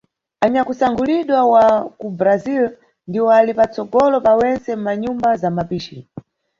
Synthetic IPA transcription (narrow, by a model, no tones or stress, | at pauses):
aɲakusaŋɡuliɗwawakubɾazil | ndiwɔalipat͡sɔɡɔlɔpawɛnt͡sɛm̩maɲumbazamapiːʃi